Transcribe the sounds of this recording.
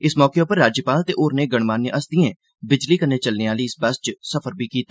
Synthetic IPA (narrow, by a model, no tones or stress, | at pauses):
ɪsmɔːkeopəɾːaːd͡ʒjəpaːlt̪eːʔoːɾneːɡəɽ̃maːnːeʔəsd̪iẽː | bɪd͡ʒliːkəneːt͡ʃəlneːaːliːɪsbəst͡ʃsəfʰəɾbʱiːkiːt̪aː